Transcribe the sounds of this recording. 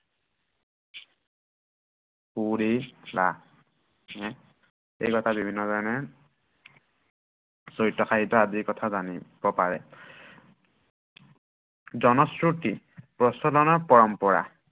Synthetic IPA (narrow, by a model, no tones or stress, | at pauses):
puɹiba̰ | ɛ | ḛjkɔtʰabibʱinːɔzaɹnɛ | sojtːɔxaɦitɔazikɔtʰazanibɔpaɹɛ̰ | zɔnɔsɹuti | pɹɔstɔlɔnɔɹpɔɹɔmpɔɹa̰